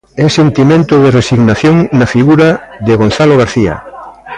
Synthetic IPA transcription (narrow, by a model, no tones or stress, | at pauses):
ɛsent̪imẽnt̪ʊðɪresiɣnaθjoŋnɐfiɣuɾaðɪɣonθaloɣ̞aɾθiɐ̰